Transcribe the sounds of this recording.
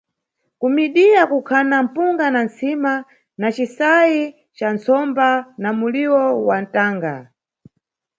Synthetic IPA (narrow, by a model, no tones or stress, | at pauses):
kumiɗiakukʰanam̩puŋɡanant͡sima | nat͡ʃisaji | t͡ʃant͡sɔmbanamuliwɔwan̩taːŋɡa